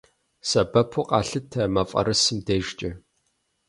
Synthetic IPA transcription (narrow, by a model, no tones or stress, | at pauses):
sɐbɐpʰʊqʼɑːɬɨtʰɐmɐfʼɐ̰ɾɨsɨmdeːʒt͡ʃʼɪ